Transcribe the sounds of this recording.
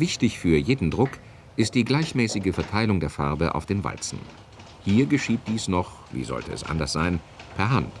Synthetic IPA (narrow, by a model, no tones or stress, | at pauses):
vɪçtɪçfyːɐjeːdn̩dʁʊk | ʔɪst̚d̥iːɡlaɪçmɛːsɪɡəfɛɐtʰaɪlʊŋdeːɐfaɐbəʔa̰ʊfd̥eːnva̰lt͡sn̩ | hiːɐɡəʃiːt̚d̥iːsnɔχ | vḭːzɔ̰ltəɛ̰sʔa̰ndɐsz̥a̰ɪn | pʰɛɐɦant